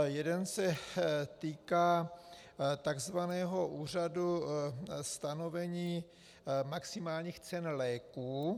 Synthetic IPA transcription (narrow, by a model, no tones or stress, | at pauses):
jɛdɛnsɛt̪iːkaː | t̪aɡzvanɛːɦo̞ʔuːr̝adu | st̪ano̞vɛɲiː | maksimaːlɲiːxt͡sɛnlɛːkuː